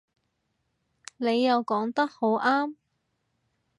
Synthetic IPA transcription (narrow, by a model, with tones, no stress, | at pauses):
ne˨˧jːɐ˨˧wkɔː˨˥ŋt̪ɐ˥k̚ho˨˥wʔaː˥m